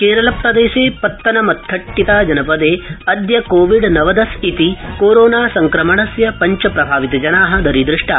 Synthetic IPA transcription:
keːɾɐlɐpɾɐd̪eːʃeːpɐt̪ːɐnɐmɐt̪ʰːɐʈːit̪aːd͡ʒɐnɐpɐd̪eːɐd̪jɐkoːʋiɖnɐʋɐd̪ɐsit̪ikoːɾoːnaːsɐŋkɾɐmɐɳɐsjɐpɐɲt͡ʃɐpɾɐbʱaːʋit̪ɐd͡ʒɐnaːɦɐ̆d̪ɐɾid̪ɾɪʂʈa̰

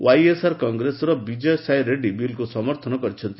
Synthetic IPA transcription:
wajesaɾkɔŋɡɾesɾɔbid͡ʒɔjsajɾeɖibilkusɔmɔɾt̪ʰɔnɔkɔɾit͡ʃʰɔnt̪i

